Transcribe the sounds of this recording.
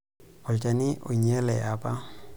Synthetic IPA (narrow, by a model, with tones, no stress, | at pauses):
ʊ˨lt͡ʃʼa˨nɪ˦ʔʊ˨ɲɛ˦lɛ˨ʔa˨pa˦